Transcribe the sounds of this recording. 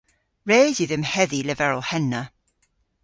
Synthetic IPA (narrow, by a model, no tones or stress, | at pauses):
ɹeːzjɨðɪmhɛðilɛvɛɹɔhɛnə